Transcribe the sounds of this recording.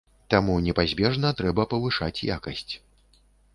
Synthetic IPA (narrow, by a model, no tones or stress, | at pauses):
t̪amunʲɛpazʲbʲɛʐnɐt̪ɾɛbɐpɐvɨʂat͡sʲja̰kɐsʲt͡sʲ